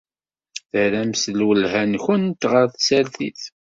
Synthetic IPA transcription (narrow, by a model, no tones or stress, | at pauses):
θəɾæmsəlwəlɦænçənt̪ʁəɾθsæɾθiθ